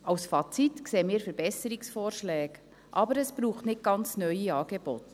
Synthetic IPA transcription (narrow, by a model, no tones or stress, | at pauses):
ɑwsfɑt͡sitkseːmɪːɾfəɾb̥ɛsəɾiksfoːɾʃlɛːɡ | ʔɑ̰bəɾəsb̥ɾuːχtnɪt̚ɡ̥ɑnt͡snœʏiɑːɡ̥ebɔ̰t